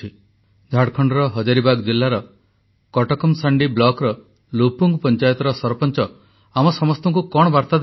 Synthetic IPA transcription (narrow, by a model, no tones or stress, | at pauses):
i | d͡ʒʱaɽkʰɔɳɖɔɾɔɦɔd͡ʒaɾibaɡd͡ʒilːaɾɔ | kɔʈɔkɔmsaɳɖiblɔkɾɔ | lupuŋɡpɔnt͡ʃajɔt̪ɔɾɔsɔɾpɔnt͡ʃɔ | amɔsɔmɔst̪ɔŋkukɔɽ̃ɔbaɾt̪ad̪